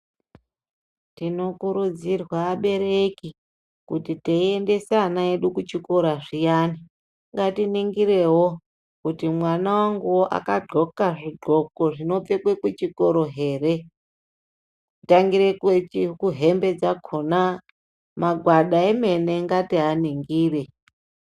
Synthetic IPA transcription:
tino̞kuɾud͡zirwaːɓe̞ɾeki | kutiteiende̞sanaeɗukut͡ʃiko̞ɾaʐijaːni | ŋɡatiniŋɡiɾe̞wo̞ | kutimwanawaŋɡuwoʔa̰kaɡ͡ǃʱo̞kaʐiɡʱo̞ko̞ʐino̞p͡fe̞kwekwut͡ʃiko̞ɾo̞ɦe̞ːre̞ | itaŋɡiɾekt͡ʃikuɦe̞mbe̞d͡zakʰona | maɡʱwaɗaeme̞ne̞ŋɡatiɦaniŋɡiːre̞

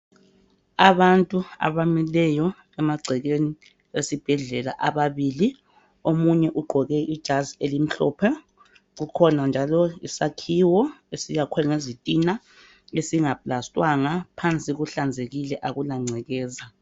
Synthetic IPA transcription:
aβantʼua̰βamilɛjɔ | ɛmaɡ͡ǀʱɛɣeni | esib̥ʱɛɮɛla̰ʔaβaβiːli | omuɲɛʔuɡ͡ǃʱɔɣɛʔid̥ʒ̥ʱazielim̩ɬɔ̰ːpʰɛ | ɣukʰɔnand͡ʒʱalɔḭsakʰiwɔesijakʰwɛŋezitʼina | esiŋapʼlastʼwaŋapʰant͡sʼiɣuɬand͡zʱeɣilɛʔaɣulaŋ͡ǀʱɛɣɛːza

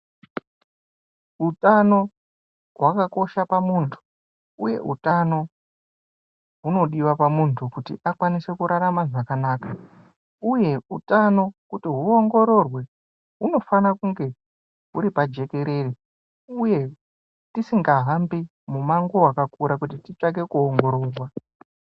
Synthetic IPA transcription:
utano̞ | ɦwakako̞ʃapamuntʰu̥ | uje̞̰ʔṵtano̞ | ɦuno̞ɗiwapamuntʰukutḭʔakwanise̞kuɾaɾamaʐakanaːka | uje̞utano̞kutiɦuoŋɡo̞ɾo̞rwe̞ | ɦuno̞fanakuŋɡe̞ | ɦuɾipad͡ʒe̞ke̞ɾe̞ri | uje̞ | tisiŋɡaɦambi | mumaŋɡowakakuɾak̬utitit͡ʂak̬e̞kuoŋɡo̞ɾo̞ːrwa

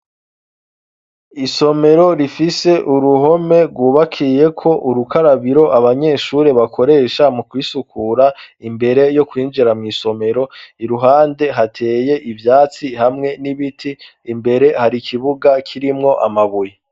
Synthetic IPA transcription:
iso̞me̞ɾo̞ɾifise̞ʔuɾuɦo̞me̞ɾɡwuːβakʰije̞kʰo̞ʔuɾukaɾaβiɾo̞ʔaβaɲe̞ːʃuɾe̞βakʰo̞ɾe̞ːʃamukwiːsukʰuːɾaimbe̞ɾe̞jo̞kwiːnd͡ʒiɾamŋiːso̞me̞ɾo̞iɾuɦaːnde̞ɦatʰe̞ːje̞ʔivjaːt͡sihamŋe̞niβitʰiː | mbe̞ɾe̞haɾikʰiβuɡakʰiɾimŋo̞ʔamaβuje

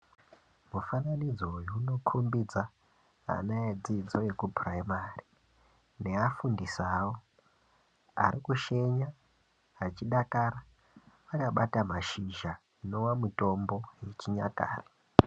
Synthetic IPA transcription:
mufananid͡zoujuunokʰumbid͡za | a̰naed͡zid͡zo̞je̞kupraimari | ne̞afundisaːwo | a̰ɾikuʃe̞ɲa | at͡ʃiɗakaːɾa | ʋakaɓatamaʃiʒa | ino̞wamuto̞mbo̞je̞t͡ʃiɲa̰ka̰ːre̥

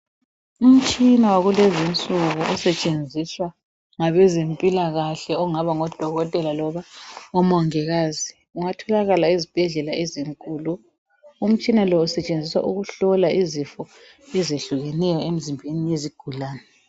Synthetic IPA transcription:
um̩t͡ʃʼinawaɣulezint͡sʼuɣuʔɔsɛt͡ʃʼend͡zʱiswa | ŋaβɛzempʼilaɣaɬɛɔŋaβaŋɔd̥ʱɔɣɔtʼɛlalɔβaɔmɔŋɛɣaːzi | uŋatʰɔlaɣalaizib̥ʱɛɮɛlaeziŋkʼuːlu | um̩t͡ʃʼinalɔusɛt͡ʃʼend͡zʱiswa̰ʔuɣuɬɔlaʔizifɔ | ɛzeɬuɣɛnɛjɔem̩zimbʱenijeziɡ̥ʱulaːnɛ

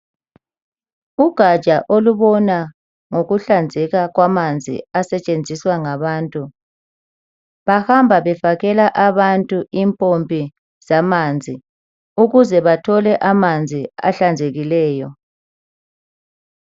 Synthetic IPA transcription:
uɡ̥ʱḁʒ̥ʱaʔoluβɔna | ŋoɣuɬand͡zʱɛɣaɣwamand͡zʱḭasɛt͡ʃʼend͡zʱiswaŋaβaːntʼu | βahambʱaβɛfaɣɛlaʔaβantʼuimpʼompʼi | zamand͡zʱi | uɣuzɛβatʰɔlɛʔamand͡zʱia̰ɬand͡zʱeɣilɛːjɔ

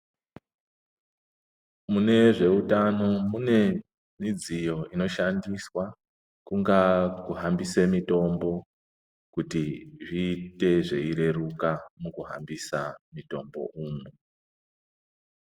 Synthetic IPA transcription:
mune̞ʐe̞utano̞mune̞ | nid͡zijo̞ino̞ʃandiswa | kuŋɡakuɦambise̞mito̞mbo̞ | kutiʐiːte̞ʐe̞iɾe̞rukamukuɦa̰mbisamito̞̰mbo̞̰ʔuːmu

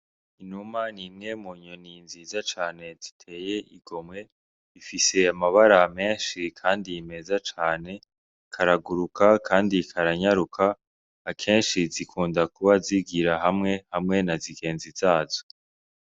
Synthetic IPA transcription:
inumanimŋe̞muɲoninzizat͡ʃaːne̞z̥itʰe̞ːje̞ʔiɡ̥o̞mŋe̞ | ifise̞amaβaɾame̞ːnʃikʰaːndime̞zat͡ʃaːne̞ | kʰaɾaɡuɾukakʰaːndikʰaɾaɲaɾukʰaː | kʰe̞ːnʃizikʰuːndakuβaziɡiɾaɦamŋe̞hamŋe̞naziɡe̞ːnziz̥aːzo̥

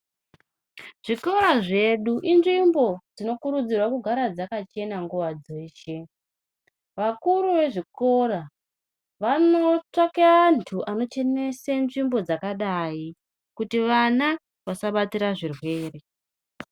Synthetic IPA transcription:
ʐ̥iko̞rɾaʐe̞ɗuʔinʐimbo̞d͡zino̞kuɾud͡zirwakuɡʱaɾad͡zakat͡ʃe̞naŋɡuʋad͡zeːʃe̞ | ʋakuɾuʋe̞ʐiko̞ra | ʋano̞t͡ʂakeaːntʰuʔano̞t͡ʃe̞ne̞senʐimbo̞d͡zakaɗai | kutiʋana | ʋasaɓatiɾaʐirwe̞ːre̞

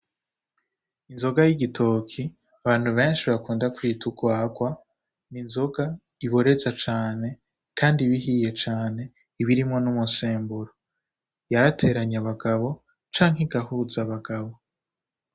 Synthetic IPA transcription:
inzo̞ɡajiɡitʰo̞kʰi | aβaːn̥huβe̞ːnʃiββakuːndakwiːtʰuɡwaːɡwa | ninzo̞ɡa | iβo̞ɾe̞zat͡ʃaːne̞ | kʰaːndiβiɦije̞t͡ʃaːne̞ | iβiɾimŋo̞numuseːmbuɾo | jaɾatʰe̞ɾaɲaβaɡaβo̞ | t͡ʃaːŋ̥hiɡahuzaβaɡaβo̞

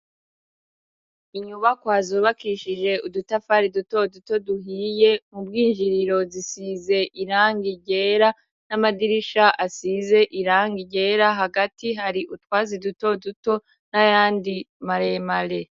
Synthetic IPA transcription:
iɲuβakwaːzuːβakiʃiʒe̞udutafaɾiduto̞duto̞duɦije̞mubɡiːnʒiɾiɾo̞zisize̞ʔiɾaːŋɡiɟe̞ːɾa | namadiɾiʃaʔasize̞ʔiɾaːŋɡiɟe̞ːɾaɦaɡatiɦaɾiʔutwaːziduto̞duto̞ | najaːndimaɾemale̞

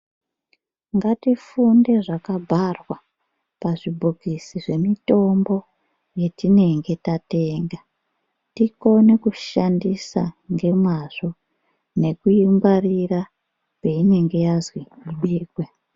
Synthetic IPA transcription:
ŋɡatifunde̞ʐakabʱarwa | paʐibʱoɡʱisiʐe̞mito̞mbo̞ | je̞tine̞ŋɡe̞tate̞ːŋɡa | tiko̞ne̞kuʃandisa̰ŋɡe̞mwaʐo̞ | ne̞kuimbarira | pe̞ine̞ŋɡe̞jazwiiɓiːkwe

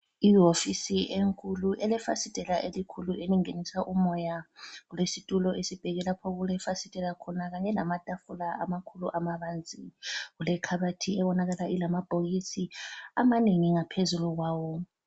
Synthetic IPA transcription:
iɦofisiʔeŋkʼuluʔɛlɛfasidʼʱɛlaʔelikʰuluʔeliŋenisaʔumɔjaɣulesitʼulɔʔesib̥ʱɛɣɛlapʰɔɣulɛfasitʼɛlakʰɔnaɣaɲɛlamatʼafulaamakʰuluʔamaβand͡zʱiɣulɛkʰaβatʰiɛβɔnaɣalaʔilamab̥ʱoɣisia̰maneŋiŋapʰezuluɣwaːwɔ

